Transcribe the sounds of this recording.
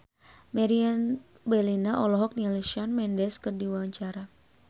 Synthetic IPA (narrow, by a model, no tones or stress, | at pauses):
maɾian | bɛlinaʔɔlɔɦɔk̚nialiʃianmɛndɛskərdiwaɲt͡ʃaɾa